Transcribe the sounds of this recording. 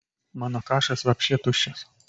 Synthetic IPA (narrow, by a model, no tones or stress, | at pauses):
mɑːnokɑːʃɐsʋʲɐpʲʃʲiɛt̪ʊʃʲɛs